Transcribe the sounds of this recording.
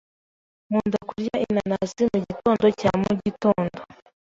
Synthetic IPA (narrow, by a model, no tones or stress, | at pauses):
muːndakuɾjainanasimuɟito̞ːndo̞camuɟitoːndo